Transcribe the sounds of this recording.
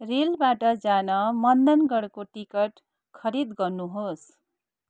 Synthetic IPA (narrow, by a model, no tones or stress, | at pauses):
relbaʈʌd͡zanʌmʌnd̪ʌnɡʌɽkoʈikʌʈ | kʰʌɾid̪ɡʌrnuɦos